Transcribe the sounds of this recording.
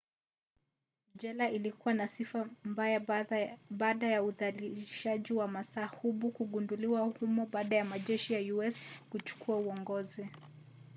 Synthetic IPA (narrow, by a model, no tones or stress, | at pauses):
ʄɛlaʔilikuwanasifambaja | ɓaːɗajauðaliʃaʄiwamasaːhuɓukuɠunduliwahumɔɓaːɗajamaʄɛʃijajuɛskut͡ʃu̥kʰuauɔŋɡɔzi